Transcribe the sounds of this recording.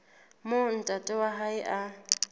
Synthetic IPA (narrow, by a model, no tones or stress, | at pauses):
mon̩tʼatʼɔwaɦaɪʔa